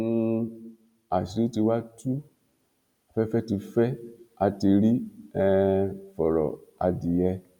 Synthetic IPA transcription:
nũ˧ | a˨ʃi˨ɾi˦ti˧wa˦tʰu˦ | a˨fɛ˦fɛ˦ti˧fɛ˦a˧ti˧ɾi˦ɛ˦fɔ˨ɾɔ̰˨a̰˨di˨ɛ˧

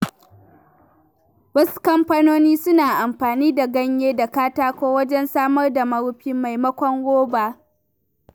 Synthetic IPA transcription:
wɐ˦su̥˦kɐ˦mɸa˦noː˦niː˦sʊ˦naː˨ʔa˨mɸaː˨niː˦da˨ɡɐ˦ɲjeː˦da˨kaː˦taː˦kʷoː˦wɐ˦d͡ʒɛ˦nsaː˦mɐ˦rda˨mɐ˦ɾʊ˦ɸɪ˦mːa˨jmɐ˦kʷɔ˦ŋwoː˦baː˨

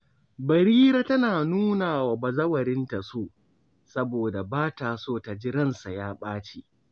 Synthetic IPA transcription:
bɐ˨ɾiː˦ɾa˦tɐ˦naː˨nuː˦naː˨waː˨ba˨zɐ˦wɐ˨ɾɪ˦nta˨soː˦˨ | sɐ˦boː˨da˨baː˦taː˨soː˦˨ta˨d͡ʒɪ˦ɾɐ˦nsa˨jaː˦ɓaː˦t͡ʃe˦˨ʔ

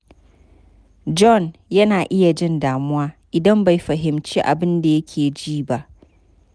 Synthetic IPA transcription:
d͡ʒɔ˦˨njɐ˦naː˨ʔɪ˦ja˨d͡ʒɪ˦ndaː˨mʊ̃˦a˦ʔɪ˨dɐ̃˦mba˨fɐ˨ɦɪ̃˨mt͡ʃi˦ʔa̰˨bɪ̃˦nda˨je˦kʲʰeː˨d͡ʒiː˦ba˦ʔ

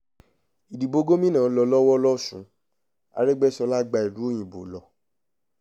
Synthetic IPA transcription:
i˨di˨bo˧˦ɡo˦mĩ˦nãː˦˨˦lɔ˧˦lɔ˦wɔ˦lɔ˦˨sũ˨˦ | a̰˧ɾɛ˦ɡ͡bɛ˦sɔ˧la˦ɡ͡ba˧i˨lu˨˦o˦˨j̃ĩ˨bo̰˨˦lɔ˨

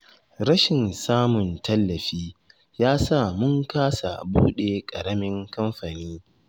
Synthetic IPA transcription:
ɾɐ˦ʃɪ˨nsaː˦mʊ˨ntɐ˦lːɐ˨ɸiː˦ | jaː˦sa˦˨mʊ˦ŋkaː˦sa̰˨bṵː˦ɗe˨kʼɐ˨ɽɐ˦mɪ˦ŋkɐ˦mɸa˨niː˦

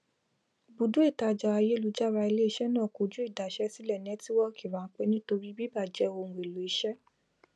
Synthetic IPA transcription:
bu˨dũ˨˦e˦˨ta˧d͡ʒa˧a˧je˦lu˨˧˦d͡ʒa˦ɾa˧i˧le˦i˦˧ʃɛ˦nãː˦˨ko˨˧˨d͡ʒu˦i˦˨da˨ʃɛ˦si˦lɛ˦˨nɛ̃˨˦ti˦wɔ˦kʰi˦˨ɾã˨˦k͡pe˦nĩ˦to˧ɾi˦bi˦ba˦˨d͡ʒɛ˦õ˧˨e˨lo˨i˨˦ʃɛ˦

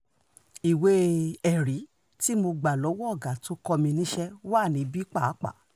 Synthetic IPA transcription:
i˨we˧˦ɛ˨ɾi˨˦ | ti˦mo˧ɡ͡ba˨lɔ˨˦wɔ˦ɔ˦˨ɡa˨to˨˦kɔ˧mĩ˧nĩ˦ʃɛ˦waː˦˨nĩ˨˦bi˦k͡pa˦˨˦k͡pa̰˦˨

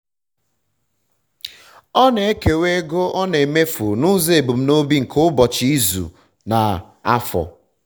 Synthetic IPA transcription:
ɔ˦ne˨˦ke˨we˦ɡo˦ʔɔ˦ne˨e˨me˦fu˨nʊ˦ze˦e˨bu˨m̩˦no˦bi˦ŋ̩˨kʰo˦bɔ˨t͡ʃɪ˦i˦zṵ˨ | na˨ | a˦fɔ̰˨

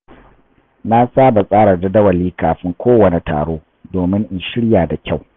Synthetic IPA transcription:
na˦saː˦ba˨sʼaː˦ɽɐ˨dɐ˦dɐ˦wɐ˨lːiː˦kaː˨ɸɪ˦ŋkʷʰoː˦wɐ˨ne˨tʰa̰ː˨ɽoː˦ | doː˨mɪ˦ŋʔɪ˨nʃɪ˦ɽjaː˨da˨kʲa˦˨w

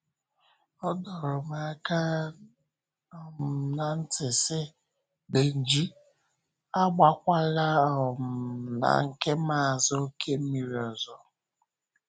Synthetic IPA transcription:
ɔ˦dɔ˨ɾʊ˨ma˨˦ka˦ | ɔ˨m̩˨na˨n̩˦tɪ˨sɪ˦ | de˨n̩˨d͡ʒi˦ | a˦ɡ͡ba˨kʷa˦la˦ɔ˨m̩˨na̰˨ŋ̩˨ke˦ma˦a˨zɔ˦kʰe˦m̩˦mi˨ɾi˨ɔ˨zɔ˦

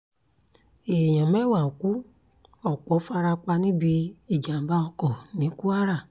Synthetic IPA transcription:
e˨j̃ã˨mɛ˦˨wa˨ku˨˦ | ɔ˦˨k͡pɔ˨˦fa˧ɾa˧k͡pa˧nĩ˦bi˧i˦˨d͡ʒa˨˦ba˦ɔ˧kɔ˦˨nĩ˨˦ku˦a˦ɾa˦˨

